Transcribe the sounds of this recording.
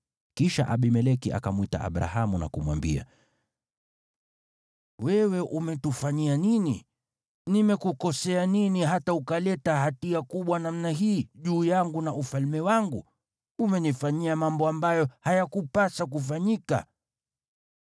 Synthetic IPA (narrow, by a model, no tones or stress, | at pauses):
kiʃa̰ʔaɓimɛlɛkiʔa̰kamuita̰ʔa̰ɓɾa̰hamuna̰kumwa̰mbḭa̰ | wɛwɛʔumɛtufaɲianini | nimɛkukɔsɛaniniɦataukalɛtahatiakuɓwanam̩naɦiːʄuːjaŋɡunaʔufalmɛwaŋɡu | umɛnifaɲiamambɔambajɔhajakupasak̬ufaɲika̰